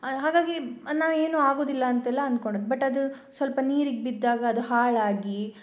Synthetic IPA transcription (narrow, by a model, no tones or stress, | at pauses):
ɦaːɡaːɡinaːʋe̞ːnuːaːɡo̞ːd̪ilːɐɐnt̪ɛlːɐɐnd̪ukoɳɖoːd̪bɐʈːɐd̪u | sʋɐlpɐniːɾiɡebid̪ːaːɡɐːd̪uhaːɭaːɡi